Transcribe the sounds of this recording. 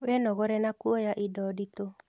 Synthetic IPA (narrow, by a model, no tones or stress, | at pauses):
wɛnɔɣɔɾɛnakwɔjaʔidɔdito